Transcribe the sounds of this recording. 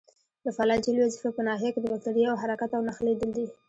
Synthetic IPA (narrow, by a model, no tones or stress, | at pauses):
d̪əfalɑd͡ʒalwazifapənɑɦijaked̪əbak̚t̪aɽiawɦaɾakat̪awnaxled̪əld̪i